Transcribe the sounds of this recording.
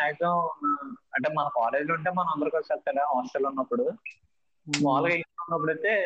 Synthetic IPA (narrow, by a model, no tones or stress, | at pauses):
aːjt̪ɐ̃ | ɐɳʈeːmɐnɐpaːɾeːd͡ʒluɳʈ̬eːmɐnɐ̃ɐnd̪ɐɾukot͡ʃɐlt̪ːɐɭaɦaːsʈɐlunːɐpːuɽu | ʋaːlɐkeiaunːɐp̬ːuɽɐjt̪e̞ː